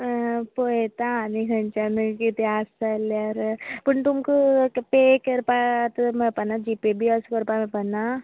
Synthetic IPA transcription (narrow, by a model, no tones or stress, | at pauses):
poet̪aanikʰɐnt͡ʃankit̪eaːsaljaɾpəɳt̪umkupeːkəɾpat̪mepɐnad͡ʒipebʱiaskəɾpamẽpɐna